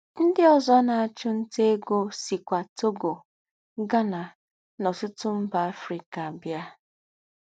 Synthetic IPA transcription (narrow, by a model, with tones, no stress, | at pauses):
n̩˦dɪ˦ɔ˨zɔ˦na˨a˨t͡ʃʊ˦n̩˦te˦ɡo˦si˨kʷa˨to˦ɡo˨ | ɡa˦na˨ | nɔ˨tʊ˦tʊ˦m̩˦ba˨a˦fɾi˨ka˨a˨bja˦